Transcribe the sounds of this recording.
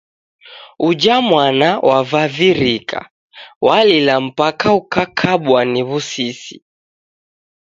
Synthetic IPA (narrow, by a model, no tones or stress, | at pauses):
ud͡ʒamwanawʔavaviɾikʰa̰ | walilam̩pakaukakʰaɓwaniβusisi